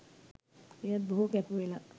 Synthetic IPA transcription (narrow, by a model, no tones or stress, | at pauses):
ejat̪̚boɦukɛpuela